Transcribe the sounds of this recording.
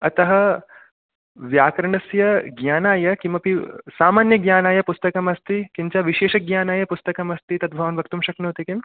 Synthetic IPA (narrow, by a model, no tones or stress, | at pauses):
ɐt̪ɐɦɐ | ʋjaːkɾɐɳɐsjɐɡɲaːnaːjɐkimɐpisaːmaːnjɐɡjaːnaːjɐpust̪ɐkɐmɐst̪ikiɲt͡ʃɐʋiʃeːʃɐɡjaːnaːjɐpust̪ɐkɐmɐst̪it̪ɐt̪̚bʱɐʋɐnʋɐkt̪umʃɐknoːt̪ikim